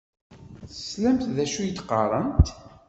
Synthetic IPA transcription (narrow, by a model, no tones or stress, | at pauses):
θslæmt̪ðæʃujət̪ːqɑ̰ɾˤənt̪